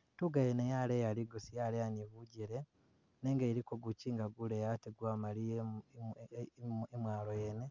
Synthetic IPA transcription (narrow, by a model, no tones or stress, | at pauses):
tuɡajenejalejaliɡosijalejaniβuɟiɾe | neːŋɡeɾikoɡuciːŋɡaɡulejateɡwaːmalie | emwaːlojene